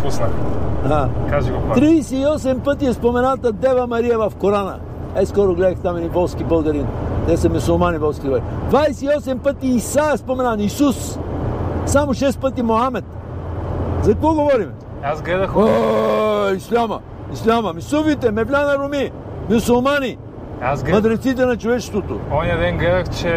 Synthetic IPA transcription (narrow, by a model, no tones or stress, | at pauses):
pusnɐakaʒiɡopt̪ɾiːsɛiɔsɛmpət̪iɛspomɛnat̪əd̪ɛvɐmɐɾiɛvɐfkoɾanə̰ | ɛskɔɾʊɡlɛd̪ɐxt̪amɛd̪ivɔlˠskʲibɐlˠɡɐɾint̪ɛsɐmʲʊsʊlˠmanivɔlˠskʲibaɾid̪vajsɛiɔsɛmpət̪iːsaɛspomɛnanisus | samoʃɛst̪̚pət̪imoamɛt̪ | zɐkvɔɡovɔɾimɛ | azɡlɛd̪ɐxo | islʲamɐ̰ | islʲamɐmisufit̪ɛmɛflʲanɐɾumi | mʲʊsʊlˠmani | asmɐd̪ɾɛt̪sit̪̬ɛnɐt͡ʃovɛt͡ʃɛ̥st̪vot̪o̰ɔnɛd̪ɛnɡlɛd̪ɐxt͡ʃɛ